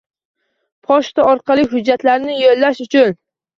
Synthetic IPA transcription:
pʰɒʃt̪aɒɾqɑlˠɪɦʊd͡ʒːat̪laɾnɪjolːaʃʊt͡ʃʰʊn

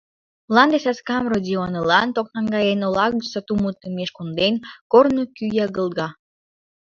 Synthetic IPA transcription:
lˠɑnd̪esæskɑmrod̪ʲionəlɑnt̪ok̚nɑŋɡɑjenolɑɣəsət̪umut̪ːəmeʃkond̪enkornokyjɑɣəlˠɣɑ

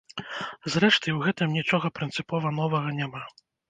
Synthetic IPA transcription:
zɾɛʂt̪ɨjwɣɛt̪ɨmnʲit͡ʂɔɣɐpɾɨnt̪sɨpɔvɐnɔvɐɣɐnʲama

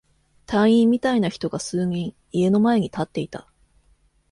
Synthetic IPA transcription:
t̪ãɰ̃ĩmmːʲit̪ainaçi̥t̪o̞ɡasɨːɲĩɰ̃ | ie̞no̞mae̞ɲ̟it̪at̪ːe̞it̪a

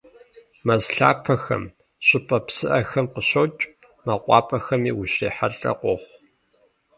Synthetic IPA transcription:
mɐzɬa̰ːpʰɐxɐ̰m | ɕʼɪpʰʼɐpsɨʔɐxɐmqəɕowt͡ʃʼ | mɐqʷɑ̰ːpʰʼɐxɐmiːwʊɕeːħaɮʼɐ̰qʷɔχʷ

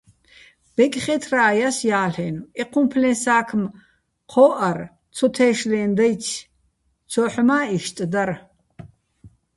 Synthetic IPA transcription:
b̥ɛkʼχɛt̪ʰraːjasjaːɬɛnɛqʰumpʰlɛ̃nsaːkʰm | qʰɔːʔar | t͡sʰɔt̪ʰɛːʃlɛːnd̪ajt͡ʃʰ | t͡sʰɔːħmaːiʃt̪ʼd̪aɾ

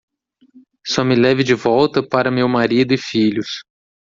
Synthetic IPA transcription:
sɔmɪlɛvɪd͡ʒɪvɔwt̪ɐpaɾɐmewmaɾid̪ʊɪfiʎʊs

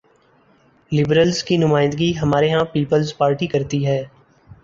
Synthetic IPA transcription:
lɪbɾəlzkinʊmaːɪ̃nd̪əɡiɦɐmaːɾeɦãpiːpəlzpaːɾʈikɐɾt̪iɦɛː

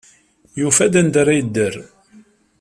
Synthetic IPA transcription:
jufæd̪ænd̪ɾæjəd̪ːər

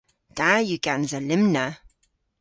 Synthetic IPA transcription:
d̥ajuɡanzəlɪmnə

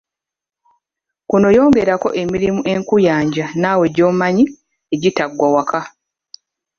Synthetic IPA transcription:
kuno̞jo̞ːŋɡe̞ɾako̞̰ʔe̞miɾimuʔe̞ŋkujaːɲɟanaːwe̞ɟo̞ːmaɲi | eɟitaɡwawakʰa

